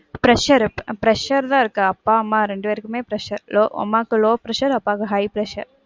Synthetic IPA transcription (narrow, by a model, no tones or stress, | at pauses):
pɾɐʃɐɾpɾɐʃɐɾd̪aːɾkɨɐpːaːɐmːaːɾeɳɖuʋɐɾikːimeːpɾɐʃɐɾloːɐ̰mːaːkɨloːpɾɐʃɐɾɐpːaːkɐɦɐjpɾɐʃɐ̰ɾ